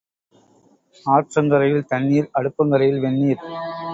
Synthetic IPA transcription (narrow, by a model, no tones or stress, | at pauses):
aːɾt͡ʃɐnd̪ɐɾɐjɪlt̪ɐɳːiːɾɐɽɯpːɯŋɡɐɾɐjɪlʋɛnːiːɾ